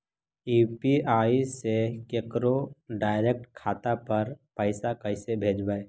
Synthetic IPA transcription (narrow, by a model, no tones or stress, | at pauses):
iːpiaːisekekɾoɖaːɪɾek̚ʈkʰaːt̪apɐɾpəɪsakəɪsebʱeːd͡ʒbae